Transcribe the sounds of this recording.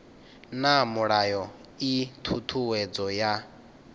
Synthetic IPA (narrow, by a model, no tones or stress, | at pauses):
namuɺajɔ | it̪ʰut̪ʰuwɛd͡zɔja